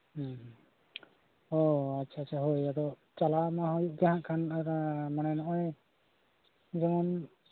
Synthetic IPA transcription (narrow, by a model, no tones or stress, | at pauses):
h̩ | ɔatːt͡ʃʰaːtːt͡ʃʰaɦojad̪ɔ | t͡ʃalamaɦojuʔ̚ɡaɦãʔkʰanaɾamanɛnɔʔɔj | d͡ʒɔmɔn